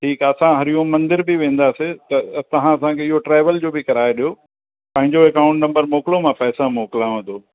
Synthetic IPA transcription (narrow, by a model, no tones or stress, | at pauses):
ʈʰiːkɐsãɦɐɾijũmɐ̃nd̪ɪɾbɪʋẽːn̆d̪aːset̪ɐsɐɦãɐsãkʰeɪɦoʈɾaːʋəld͡ʑoːbɪkɐɾaːeɗijo | pɐ̃ɦɪ̃ɲd͡ʑoekaːʊ̃ɳʈnɐ̃mbəɾmoːkɪlomãpɛːsãmoːkɪlaːɦũnd̪oː